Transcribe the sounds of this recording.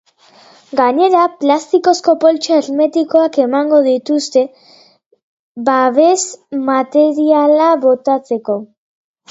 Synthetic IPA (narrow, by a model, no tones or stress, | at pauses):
ɡaɲe̞ɾaplast̪iko̞sko̞po̞lt͡ʃoeɾme̞t̪iko̞ake̞maŋɡo̞ðit̪ust̪e̞ | baβe̞zmat̪e̞ɾialaβo̞t̪at͡se̞ko̞